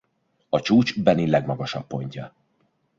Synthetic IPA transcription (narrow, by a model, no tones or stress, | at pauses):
ɒt͡ʃuːt͡ʃbɛnilɛɡmɒɡɒʃɒpːo̞ɲcɒ